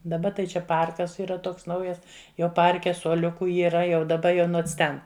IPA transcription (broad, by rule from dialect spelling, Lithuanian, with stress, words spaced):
dɐˈbɐ tɐɪ ˈt͡ʃʲɛ ˈpɐrkɐs iːˈrɐ ˈtoːks ˈnɐʊjɛs ˈjoː ˈpɐrʲkʲɛ suɔˈlʲʊkʊ iːˈrɐ jɛʊ dɐˈbɐ joː ˈnoːns ˈtʲɛn